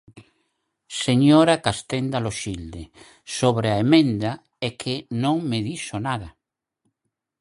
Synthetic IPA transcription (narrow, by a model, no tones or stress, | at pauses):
seɲoɾakast̪end̪aloʃild̪e | soβɾeaemẽnd̪a | ɛkʰɪnõŋmeðisonaða